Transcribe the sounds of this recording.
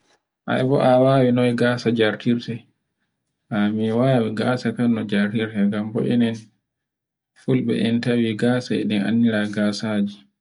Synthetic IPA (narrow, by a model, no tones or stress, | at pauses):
ʔa̰ɛbɔʔawaːwinɔjɡaːsad͡ʒaɾtiɾtɛ | ʔamiwaːwiɡaːsakanːɔd͡ʒaɾtiɾtɛŋɡambɔ̰ʔɛ̰nɛn | fulɓɛ̰ʔɛntawiɡaːsaɛ̰ɗɛna̰nːiɾaɡaːsad͡ʒi